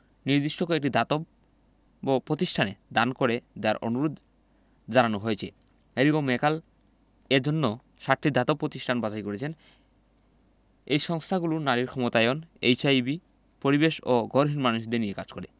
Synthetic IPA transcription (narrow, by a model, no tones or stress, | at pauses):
niɾd̪iʃʈokoek̚ʈid̪ʱat̪ob | pːɾot̪iʃʈʰaned̪ankoɾed̪aɾo̰nuɾod̪ | d͡ʑananoɦoet͡ɕʰe | eliɡomːekal | eɾd͡ʑonːo | ʃaɾʈ̪ʰːid̪ʱat̪opːɾot̪iʃʈʰanbad͡ʑajkoɾet͡ɕʰen | ejʃɔŋst̪ʰaɡulunaɾiɾkʰɔmot̪ajonḛjt͡ɕʰajbi | poɾibeʃoɡoɾɦinmanuʃd̪eniekad͡ʑkoɾe